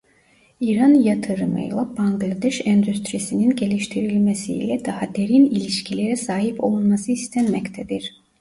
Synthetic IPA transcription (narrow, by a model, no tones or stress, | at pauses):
iɾanjat̪ʰɯɾɯmɯ̰jlˠabaŋɡlˠad̪ɛʃɛnd̪yst̪ɾisininɟe̞lʲiʃt̪ʰiɾilʲmesḭːlʲɛd̪ahad̪e̞ɾinilʲiʃcʰilʲeɾɛsaːɦipʰo̞lˠunmasɯist̪ʰɛnmɛct̪ʰɛd̪iɾ̥